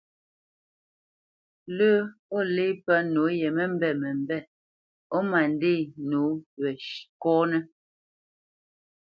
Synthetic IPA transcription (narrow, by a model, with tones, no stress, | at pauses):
lə˦o˦le˦pə˦no˨˦jɛ˨mɛ˦m˦bɛ˨mɛ˨m˦bɛ˦˨ | o˦ma˨n˦de˦˨no˨˦wɛ˨ʃkɔ˦nɛ˦